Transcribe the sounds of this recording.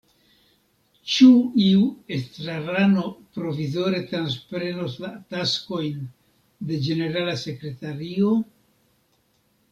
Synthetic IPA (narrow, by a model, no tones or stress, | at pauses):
t͡ʃuiue̞stɾaɾano̞pɾo̞vizo̞ɾe̞t̪ɾanspɾe̞noslatasko̞jn | de̞d͡ʒe̞ne̞ɾalase̞kɾe̞taɾio̞